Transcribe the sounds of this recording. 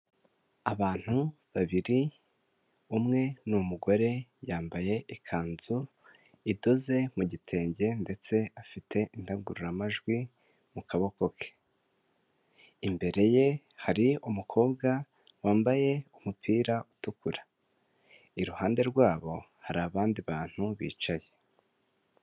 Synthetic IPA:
aβaːn̥hu | βaβiɾi | umŋe̞numuɡo̞ɾe̞jaːmbaje̞ʔikʰaːnzu | ido̞ze̞muɟitʰe̞ːɲɟe̞nde̞t͡se̞afitʰe̞ʔindaɡuɾuɾamaʒɡwi | mukaβo̞ko̞kʰe̥ | imbe̞ɾe̞je̞ | haɾiumukʰo̞ːbɡa | waːmbaje̞umupʰiːɾautukuɾḁ | iɾuhaːnde̞ɾɡwaːβo̞ | haɾaːβaːndiβaːn̥huβḭːt͡ʃaje̞

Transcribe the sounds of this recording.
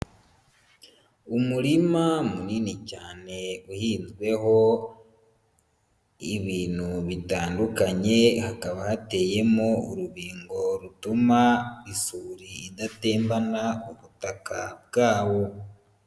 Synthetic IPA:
umuɾimamuniːnicaːne̞uhiːnzɡwe̞ho̞ | iβiːn̥huβitaːndukaɲe̞hakaβahate̞ːje̞mouɾuβiːŋɡo̞ɾutumaisuːɾiːdate̞ːmbanauβutakab̚ɡaːβo̞

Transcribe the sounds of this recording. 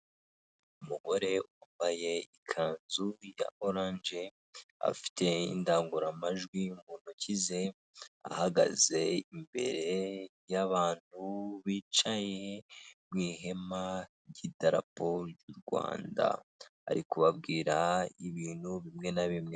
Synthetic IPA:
umuɡo̞ɾe̞uwambaje̞ikʰaːnzuja̰oɾaːnd͡ʒe | a̰fi̥tʰe̞ḭndaːŋɡuɾamaʒɡwimunucize̞ | a̰haɡa̰ze̞imbe̞̰ɾe̞ | jaβaːn̥uβiːt͡ʃaje̞mŋiːɦe̞ma | ɟidaɾa̰poɾjuɾɡwa̰ːnda̰ːɾikuβab̚ɡiːɾaiβiːnhuβimŋe̞naβimŋe̞

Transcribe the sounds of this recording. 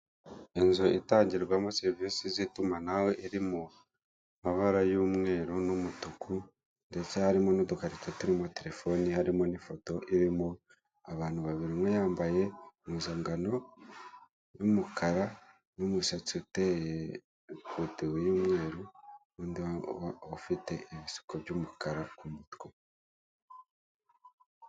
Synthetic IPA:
enzoʔitaːɲɟiwamoseɾvisizitumanaweʔiɾimo | maβaɾajumŋe̞ːɾonumutukʰu | ndet͡sehaɾimonodukaɾit͡satuɾimo̞te̞ɾe̞fo̞nihaɾimo̞nifo̞to̞ʔiɾimo | aβaːn̥huβaβiɾimwejaːmbaje̞mizaːŋɡano̞ | jumukʰaɾa | numuʃat͡siuteje | kutuwejuːmŋe̞ːɾu | uːndiafite̞ʔiβisu̥kobɟumukaɾakumutko

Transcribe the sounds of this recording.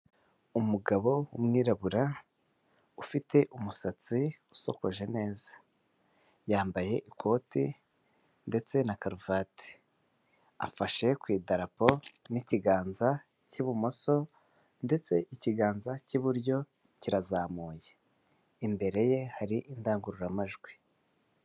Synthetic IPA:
umuɡaβo̞umŋiːɾaβuɾa | ufite̞ʔumusat͡siuso̞̰ko̞ʒe̞ne̞ːzḁ | jaːmbaje̞ʔikʰo̞ːti | nde̞t͡se̞nakaɾuvaːte̥ | a̰faʃe̞kwiːdaɾapo̞niciɡaːnza | ciβumoso̞ | nde̞t͡se̞ʔiciɡaːnzaciβuɾjo̞ | ciɾazaːmuːje | imbe̞ɾe̞je̞haɾiʔindaːŋɡuɾuɾamaʒɡwi̥

